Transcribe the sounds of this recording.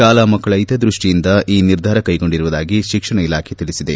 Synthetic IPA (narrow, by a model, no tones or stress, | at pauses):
aːlɐmɐkːɐɭɐjt̪ɐd̪ɾuʂʈijind̪ɐʔiːniɾd̪ʱaːɾɐkɐjɡo̞ɳɖiɾuʋud̪aːɡiʃikʂɐɳɐilaːkʰe̞t̪iɭisid̪e̞